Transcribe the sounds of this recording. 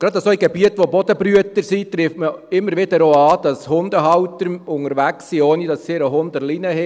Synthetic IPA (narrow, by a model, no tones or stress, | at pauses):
ɡ̥ɾɑd̪əsoiɡɛb̥iətʋobɔd̥əbɾyətəɾsit̪ɾɪftməɪmːəɾʋɪdəɾoɑːd̥ɑshʊnd̪əɦɑwtəɾʊŋəɾʋæksːioːnidɑsːiːɾəɦʊnd̥̪əlinəhɛ